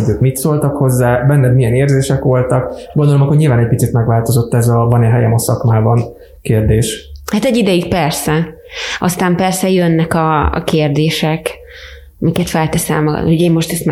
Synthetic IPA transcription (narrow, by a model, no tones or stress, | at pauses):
oɟøːkmit̪solt̪ɒkho̞zːaːbɛnːɛd̪mijɛneːrzeːʃɛkʋo̞lt̪ɒkɡond̪olomɒko̞ɟɲilvaːnɛc̚ʲpit̪sit̪mɛɡʋaːlt̪o̞zo̞t̪ːɛzɒvɒnɛɦɛjɛmɒsɒkmaːbɒn | keːrd̪eːʃhat̪ɛɟːid̪ɛjyk̚pɛrsɛ | ɒst̪aːmpɛrsɛjønːɛkɒ̰keːrd̪eːʃɛk | mikɛt̪fɛlt̪ɛsɛlmɒɡɒ̰t̪nihoɟeːmːo̞ʃt̪ɛst̪mɛ